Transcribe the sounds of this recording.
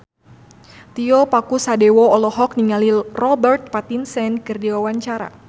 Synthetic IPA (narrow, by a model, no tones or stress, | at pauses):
t̪iɔpakusadɛwɔːlɔɦɔk̚niŋalirɔbɛrt̪̚pat̪insɛnkɨrdiwawaɲt͡ʃaɾa̰